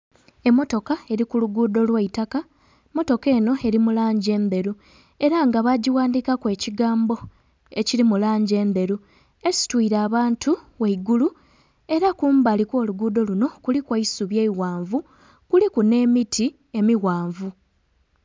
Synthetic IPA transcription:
e̞mːo̞to̞kae̞ɾikuluɡuːdo̞lwaitaka | mo̞to̞ke̞ːno̞e̞ɾimulaːɲɟe̞ːnde̞ɾu | e̞ɾaŋɡaβaɟiwaːndiːkakwe̞ːciɡaːmbo̞ | e̞ciɾimulaːɲɟe̞ːnd̪e̞ɾu | e̞si̥twiːɾaːβaːntʰuweiɡulu | e̞ɾakuːmbalikwo̞ːluɡuːdo̞luno̞kulikwaisuβje̞iɣwaːɱvu | kulikune̞ːmitʰi | e̞miwaːɱvu

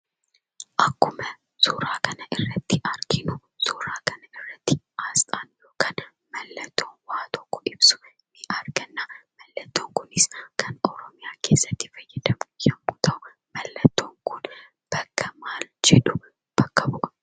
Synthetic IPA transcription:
ʔɐkːʊmɐ | suːɾaːkɐnɐʔɪrːɐt̪ːɪʔɐɾɡɪnʊ | suːɾaːkɐnɐɪrːɐt̪ːɪ | aːst̪ʼaːnjoːkɐn | mɐlːɐt̪ʰːoːwaːt̪ʰɔ̥kːɔ̥ʔɪbsʊ̥ | mɪʔaɾɡɐnːamɐlːɐt̪ːoːŋkʊnɪskʰɐnɔɾɔmɪjaːkʰe̞ːsːɐt̪ːɪ̥fɐjːɛd̪ɐmjɛmːʊt̪ʰɐʊ | mɐlːɐt̪ːoːŋkʊn | b̥ɐkːɐmaːld͡ʒɛᶑʊ | b̥ɐkːɐbʊʔɐ̥

